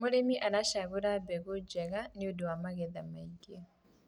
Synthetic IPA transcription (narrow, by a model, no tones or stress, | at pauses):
moɾemiʔaɾaʃaɣuɾabɛɣod͡ʒɛɣanɪodowamaɣɛðamaiɡe